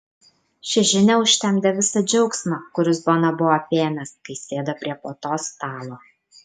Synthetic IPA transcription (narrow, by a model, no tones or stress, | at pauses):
ʃʲɛʒʲɪnʲɛʊʃʲt̪ʲɛmʲd̪ʲɛʋʲɪsɐd͡ʒʲɛʊksʲmɐkʊɾʲɪsboːnɐbʊʋopʲeːmʲɛskɐɪsʲeːd̪ɐpʲɾʲiɛpoːt̪oːst̪ɑːlˠoː